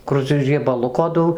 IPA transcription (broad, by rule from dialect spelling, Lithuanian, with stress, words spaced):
ˈkʊr t͡sʲɛ rʲiɛbɐˈlˠʊkoː ˈdɐʊ